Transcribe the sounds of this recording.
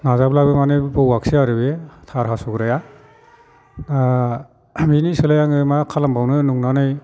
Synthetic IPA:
nazablabɯmanebɯwaksiaɾɯbetʰaɾɦasuɡɾaja | na | minisɯlajaŋɯmakʰalambʱawnɯnuŋnanɯj

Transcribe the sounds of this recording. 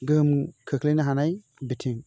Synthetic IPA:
ɡɯmkʰɯkʰlɯjnɯɦanaj | bitʰiŋ

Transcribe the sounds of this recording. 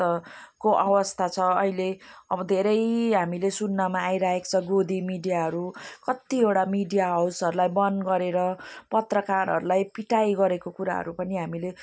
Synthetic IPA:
ʌkoʔʌwʌst̪ʰat͡sʰʌʌileʌbʌd̪ʱeɾʌjɦamilesunːamaːjɾaɦekt͡sʰʌɡod̪imiɖijaɦʌɾukʌt̪ieɽamiɖijaɦʌwsʌɾulajbʌnɡʌɾeɾʌpʌt̪rʌkaɾɦʌ̰ɾulajpiʈajɡʌɾekokuɾa̰ɦʌ̰ɾupʌniɦamile

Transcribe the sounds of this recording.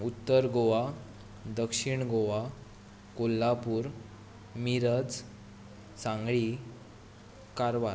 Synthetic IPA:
ut̪ːəɾɡoʋa | d̪əkʂiɳɡoʋa | kolːapuːɾ | miɾəd͡z | sãŋɡɭi | kaɾʋa

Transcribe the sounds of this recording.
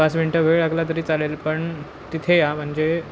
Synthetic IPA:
asʋiɳʈəʋeɭaklat̪̬əɾiːt͡salelpəɳ | t̪it̪ʰejam̤əɳd͡ʑe

